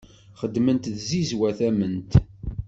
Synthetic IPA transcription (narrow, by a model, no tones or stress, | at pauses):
χəd̪mənt̪ðzizwæθæmənt̪